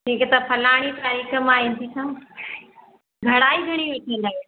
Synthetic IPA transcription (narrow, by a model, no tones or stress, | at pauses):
tĩːket̪ɐpʰɐlaːɽ̃it̪aːɾiːxəmaːɦĩnt̪ʰisãː | ɡʱɐɽaːiɡʱɐɽ̃iʋɐʈʰilaːe